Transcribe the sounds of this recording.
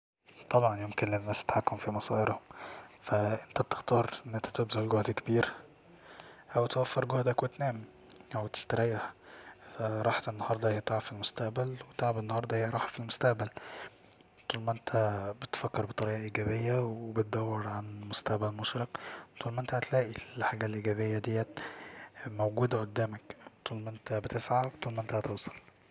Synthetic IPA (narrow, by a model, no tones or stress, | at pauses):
t̪ˤːɑbʕɑnjomkenlenːæːst̪ħakːomfimɑsɑːʔeɾhomfæʔent̪æb̚t̪e̥xt̪ɑːɾˤʔenːʔent̪æ̥t̪ebzæʔlɡohd̪kebiːɾ | ʔæwt̪wæfːeɾɡohd̪ækwet̪næːm | ʔæwt̪e̥st̪æɾæjːahfæɾˤɑːħt̪enːɑhɑɾˤd̪ˤɑhejæt̪ˤaʕafilmost̪æʔbælwet̪eʕbenːɑhɑɾˤd̪ˤɑhejɾˤɑːħæfilmost̪æʔbæl | t̪ˤuːlmæʔent̪ʰæbet̪fækːeɾˤbet̪ˤːɑɾiːʔɑʔiːɡæːbejːæwebet̪̚d̪æwːeɾˤʕanmost̪æʔbælmoʃɾɑqt̪ˤuːlmæʔent̪ææt̪læːʔilħaːɡælʔiɡæːβejːæd̪ejːæ | mowɡuːd̪ʕod̪ːæːmækt̪ˤuːlmæʔent̪æbet̪esʕat̪ˤuːlmæʔent̪æhæt̪ewsˤɑ̥l